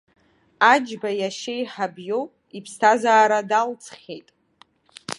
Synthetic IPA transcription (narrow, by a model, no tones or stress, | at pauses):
ad͡ʒbajaʃejħabjow | ipʰstʰazaːɾadalt͡sʰχʲejtʼ